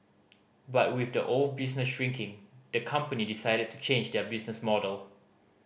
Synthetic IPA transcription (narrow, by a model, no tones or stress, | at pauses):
bat̚wɪθdəʔold̚bisnəsʃɹĩŋkʰɪ̃ŋdəkʰʌ̃mpənidisaɪɾəd̚tʰu̥t͡ʃʰẽnd͡ʒdɛbisnəsmɔdəlˠ